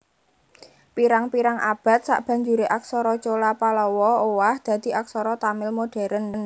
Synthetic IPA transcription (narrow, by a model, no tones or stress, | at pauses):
piɾaŋpiɾaŋʔab̥a̤t̪̚sa̰ʔb̥a̤ɲd͡ʒuɾeʔaksɔɾɔt͡ʃolapalɔwɔowahd̪̥ä̤d̪̥i̤ak̚sɔɾɔt̪amɪlmoɖ̥ɛ̤ɾənn